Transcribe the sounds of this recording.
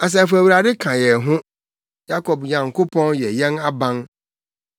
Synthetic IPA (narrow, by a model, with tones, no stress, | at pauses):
a˨s̬ɛ˦˨fʊ˨æ˨wu˨ɾa˨dɪ˦kʰã˨jɛ˨ɦʊ̃˦ | ja˦kʰɔ˨bɲã˨ŋ˨kʰʊ˦pʰɔ̃˦njɛ˨jɛ̃˦na˦bã˦n